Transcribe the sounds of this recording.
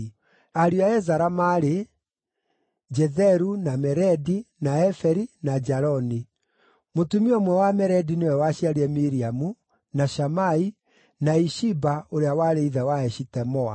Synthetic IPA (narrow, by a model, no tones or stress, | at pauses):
aɾiaɛzaɾamaɾe | d͡ʒɛðɛɾunamɛɾɛdinaɛfɛɾinad͡ʒaɾɔni | motumiɔmwɛwamɛɾɛdinewɛwaɕiaɾiɛmiɾiamu | naʃamai | naiʃibaoɾeawaɾeiðɛwaɛʃitɛmɔa̰